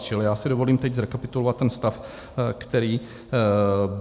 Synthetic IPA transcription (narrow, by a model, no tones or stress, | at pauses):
t͡ʃɪlɪjaːsɪdo̞vo̞liːmt̪ɛɟzɾɛkapɪt̪ulovat̪ːɛnst̪af | kt̪ɛɾiː | b